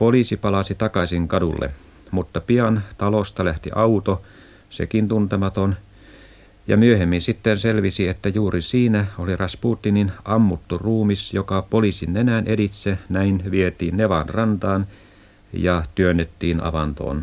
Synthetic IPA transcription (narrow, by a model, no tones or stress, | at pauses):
polisipɑlɑsit̪ɑkɑsiŋkɑdṵlːḛ | mut̪ːɑpiɑnt̪ɑlost̪ɑlæht̪ḭʔɑut̪o | sḛkint̪unt̪emɑt̪on | jɑ̰myøhemːinsit̪ːenselʋisiet̪ːæjuːrisiːnæolirɑspuːt̪ːininɑmːut̪ːuruːmisjokɑpolisinːenæːnʔedit̪senæinʋiet̪iːnneʋɑnrɑnt̪ɑːn | jɑt̪yønːet̪ːiːnɑ̰ʋɑnt̪o̰ːn